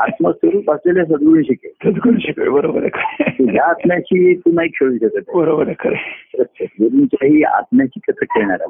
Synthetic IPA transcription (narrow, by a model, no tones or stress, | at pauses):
at̪məsəɾuːpasleles̬əd̪ɡɾũnɕikesəd̪ʱɡɾunɕikḛbəɾobəɾḛkʰəɾet̪uɦjaːt̪mjat͡ɕiːt̪unaikɕʰeɭuɕək̪et̪ebəɾobəɾekʰəɾeɾəst͡ɕʰəɡuɾunt͡ɕaɦiːa̰t̪mjat͡ɕiːkət̪əkeɭɳ̃aɾa̰